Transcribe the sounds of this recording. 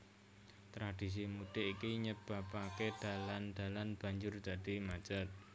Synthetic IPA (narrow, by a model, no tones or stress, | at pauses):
t̪ɾad̪̥is̬imud̪̥e̤ʔikiɲəb̥a̤paked̪̥a̤land̪̥a̤lanb̥a̤ɲd͡ʒʊrd̪̥a̤d̪̥imḁd͡ʒa̤t̪̚